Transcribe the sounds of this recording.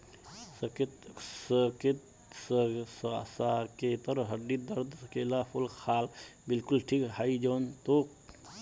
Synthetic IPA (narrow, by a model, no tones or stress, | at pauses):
skt̪səket̪ | sssaket̪əɾɦəɖːid̪əɾd̪skelapʰulkʰaːlbɪlkulʈʰikhaid͡ʒoːnt̪oːk̚